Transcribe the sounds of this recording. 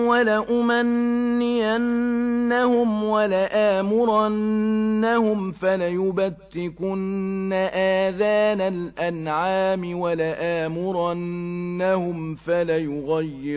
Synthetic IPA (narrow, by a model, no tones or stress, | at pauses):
walaʔʊmanː | ɪjanːahʊmwalaʔaːmʊɾanːahʊmfalajʊbat̪ːɪkʊnːaʔaːðaːnalʔanʕaːmɪwalaʔaːmʊɾaː | ahʊmfalajʊɣajːɪ